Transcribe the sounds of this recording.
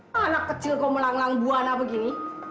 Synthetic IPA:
anakːət͡ʃɪlkɔməlaŋlaŋbuanapəkini

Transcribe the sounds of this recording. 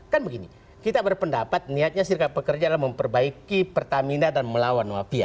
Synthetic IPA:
kanbəɡini | kit̪abərpəndapat̪̚niat̪̚ɲasirkabəkərd͡ʒadalaməmpərbaikipərt̪aminadanməlawanwafia̰

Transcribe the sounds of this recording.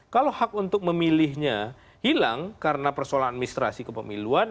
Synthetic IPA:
kalohak̚unt̪ʊk̚məmilɪhɲa | hilaŋkaɾənapərsolaat̪̚minist̪ɾa̰sikəpəmiluan

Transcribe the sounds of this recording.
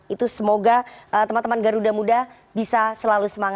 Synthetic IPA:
it̪usəmoɡaət̪əmant̪əmanɡaɾudamudah | bisasəlalusəmaŋ

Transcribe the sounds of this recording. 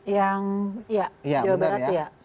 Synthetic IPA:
jaŋijad͡ʒawabaɾat̪ja

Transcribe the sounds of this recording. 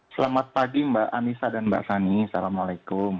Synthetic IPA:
səlamat̪̚paɡimbaʔanisadanba̰ʔsanisalamalakʊm

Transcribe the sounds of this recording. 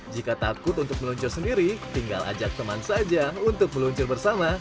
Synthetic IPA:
d͡ʒikat̪akʊt̪unt̪ʊk̚məluɲt͡ʃʊrsəndiɾit̪iŋɡa̰la̰d͡ʒak̚t̪əmansad͡ʒaunt̪ʊk̚məluɲt͡ʃʊrbərsama

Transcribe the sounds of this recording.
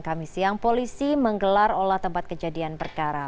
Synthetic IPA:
kamisiaŋpolisiməŋɡəlarolaht̪əmpat̪̚kəd͡ʒadianpərkaɾa

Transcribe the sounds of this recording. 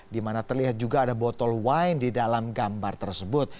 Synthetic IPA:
dimanat̪ərliɦat̪̚d͡ʒuɡaːdabɔt̪ɔlwajndidalamɡambart̪ərsəbʊt̪̚

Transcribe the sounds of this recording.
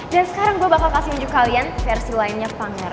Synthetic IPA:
dansə̥kaɾaŋbuabapakasihuɲd͡ʒʊkalianfɛrsilainɲapaŋɛr

